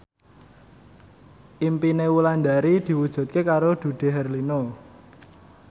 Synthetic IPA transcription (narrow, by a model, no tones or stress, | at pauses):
ʔimpinewuland̪aɾid̪̥i̤wud̥ʒ̥ṳt̪̚kekaɾod̪̥ṳɖ̪̥e̤ɦɛrlino